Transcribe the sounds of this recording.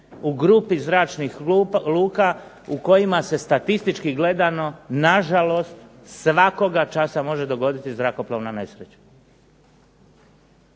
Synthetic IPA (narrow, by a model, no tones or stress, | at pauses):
uɡɾupizɾaːt͡ʃnixluːka | uko̞jimase̞st̪at̪ist̪it͡ʃkiɡle̞d̪ano̞naʒalo̞st̪ | sʋako̞ɡat͡ʃasamo̞ʒe̞d̪o̞ɡo̞d̪it̪izɾako̞ploʋnane̞sɾet͡ɕḁ